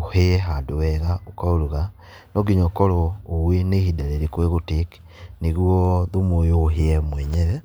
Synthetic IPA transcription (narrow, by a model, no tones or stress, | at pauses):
oheɛɦadowɛɣaokaoɾuɣa | nɔɡiɲɔkɔɾɔːwenehidaɾeɾikoeɣotek | neɣwɔðomojoːɦeɛmwɛɲɛɾɛ